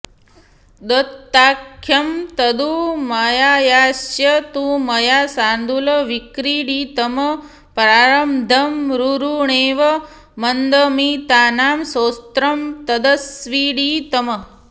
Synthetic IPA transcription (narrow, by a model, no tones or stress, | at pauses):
d̪ɐt̪ːaːkʰːjɐmt̪ɐd̪umajaːjaːsjɐt̪umɐjaːsaːnd̪ulɐʋikɾiːɽiːt̪ɐmɐ | pɾaːɾɐmd̪ʱɐmɾuɾuɳeːʋɐ | mɐnd̪əmit̪aːnaːmsoːst̪ɾɐmt̪ɐd̪ɐsʋiːɽiːt̪ɐmɐ